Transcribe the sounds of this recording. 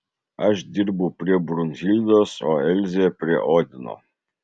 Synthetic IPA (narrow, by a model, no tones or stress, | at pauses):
aʒd̪ʲirbupɾʲebɾunʲzʲilʲd̪ɔsɔɛlʲzʲɛpɾʲɛʔɔd̪ʲnɔ̰